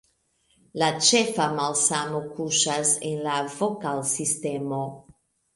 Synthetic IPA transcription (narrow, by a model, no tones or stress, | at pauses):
lat͡ʃefamalsamokuʃasenlavokalsistemo